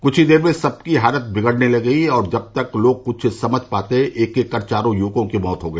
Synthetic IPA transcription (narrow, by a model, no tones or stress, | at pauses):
kʊt͡ʃʰid̪eːɾmẽsɐb̚kiɦaːlət̪̚bɪɡəɽnelɐɡɐiɔːɾd͡ʒɐb̚t̪ɐkloːɡ̚kʊt͡ʃʰsɐməd͡ʒʱpaːt̪eɦɛ̃ʔeːkekːɐɾt͡ʃaːɾõjuːkõkimɔːt̪ɦoɡɐiː